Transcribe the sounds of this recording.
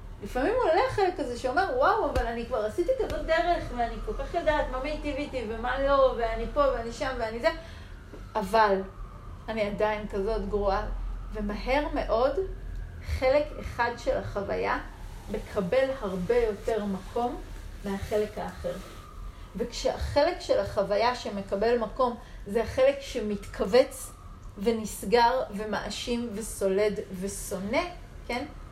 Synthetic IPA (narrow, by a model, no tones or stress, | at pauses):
lifamimoleaχe̞lekːaze̞ʃeo̞me̞ʁwawavalanikvaʁasitikazo̞t̚d̪e̞ʁe̞χveaniko̞lkaχjadaːtmamejtivitivemalo̞veanipo̞veaniʃamveanize | ʔaval | aniadainkazo̞tɡʁuave̞maɦe̞ʁme̞ʔo̞d | χe̞le̞kḛχadʃe̞laχava̰ja | me̞kʰabe̞lhaʁbejo̞te̞ʁmakʰo̞mːeaχe̞le̞kaːχeʁ | vekʃeha̰χe̞lekʃelaχavajaʃeme̞kabe̞lmako̞mzeaχe̞lekʃemitkʰave̞t͡s | venisɡaʁve̞maʔaʃimveso̞le̞dveso̞ne̞ | ken